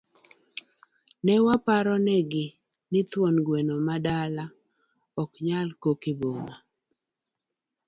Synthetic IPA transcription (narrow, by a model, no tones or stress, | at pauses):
nɛwapaɾɔnɛɡɪ | nɪt̪wɔnɡwenomadala | ɔkɲalkokɪboma